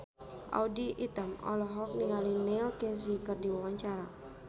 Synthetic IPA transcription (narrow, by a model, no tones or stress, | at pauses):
ʔa̰udiʔit̪amɔ̰lɔɦɔk̚niŋalinɛlkɛs̬ikərdiwawaɲt͡ʃaɾa